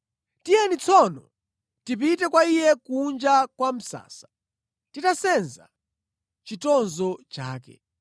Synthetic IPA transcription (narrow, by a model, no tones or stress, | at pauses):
tijɛnit͡sʰɔnɔ | tipitɛkwaijɛkund͡ʒakwam̩sa̰ːsḁ | titasɛnza̰ | t͡ʃitɔnzɔt͡ʃaːkɛ̰